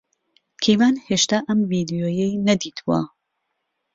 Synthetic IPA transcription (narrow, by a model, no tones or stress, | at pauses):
kʰejmaːnheʃt̪aːʔɐmvid̪ijoːjɛjnɐd̪iːt̪ʰuwɐ̰